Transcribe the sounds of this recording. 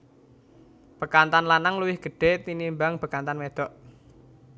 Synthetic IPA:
b̥əkant̪anlanaŋluwɪhɡ̥ə̤ɖ̥e̤t̪inimbaŋb̥əkant̪anmed̪̥ɔ̤ʔ

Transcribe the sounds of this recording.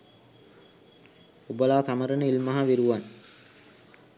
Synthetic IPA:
ubəlaːsaməɾənəilmaɦaʋiɾuʋan

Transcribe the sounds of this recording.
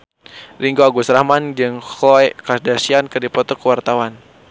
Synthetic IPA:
riŋɡoaɡusɾahmand͡ʒɨŋhɔɛkasdasiankɨrdipɔt̪ɔkəwart̪awan

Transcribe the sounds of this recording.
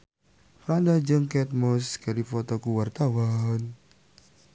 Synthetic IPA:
pɾandad͡ʒəŋkɛt̪̚mɔskaɾifɔt̪ɔkuwart̪awan

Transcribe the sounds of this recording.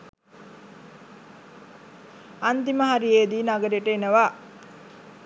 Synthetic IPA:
ant̪iməɦaɾijeːd̪iːnaɡəɾiʈəenəʋaː

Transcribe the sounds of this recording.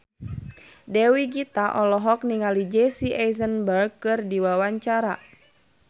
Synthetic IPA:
dɛwiɡit̪aʔɔlɔɦɔk̚niŋalid͡ʒɛsiʔajzənbərɡ̚kɨrdiwawaɲt͡ʃaɾa

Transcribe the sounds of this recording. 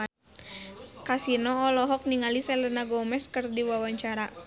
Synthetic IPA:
kasinɔːlɔɦɔk̚niŋalisɛlənaɡɔmɛskɨrdiwawaɲt͡ʃaɾa

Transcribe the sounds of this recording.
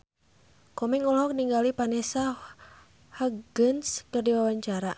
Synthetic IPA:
kɔmɛŋulɔk̚niŋɡalipanɛsa | haɡənskɨrdiwawaɲt͡ʃaɾa

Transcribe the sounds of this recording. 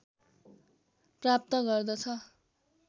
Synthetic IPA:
prap̚t̪ʌɡʌrd̪ʌt͡sʰʌ

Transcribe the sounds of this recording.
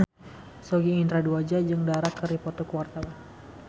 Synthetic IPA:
soɡiːnt̪ɾaduad͡ʒad͡ʒɨŋdaɾakːəɾipɔt̪ɔkəwart̪awan

